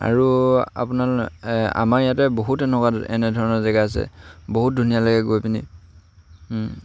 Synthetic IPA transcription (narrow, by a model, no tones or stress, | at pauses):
a̰ɹua̰punala̰maɹjatɛboɦutɛnɛkwaɛ̰nɛdʱɔɹɔnɔɹzɛɡajasɛ̰boɦut̚dʱunijaloɡɛɡojpinḭ